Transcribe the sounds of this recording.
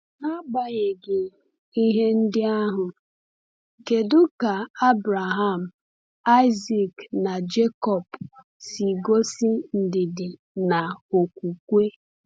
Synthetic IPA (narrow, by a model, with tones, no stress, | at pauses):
na˦ɡ͡ba˨ɲɪ˨ɡɪ˨ | i˦ɦe˦n̩˦dɪ˦a˦ɦʊ˨ | ke˨dʊ˦ka˨a˦bɾa˨ɦa˦˨m̩˨ | a˦ɪ˦zi˦kna˨d͡ʒe˦kɔ˨p | si˨ɡo˦si˦n̩˨dɪ˨dɪ˨ | na˨o˨kʷu˨kʷe˦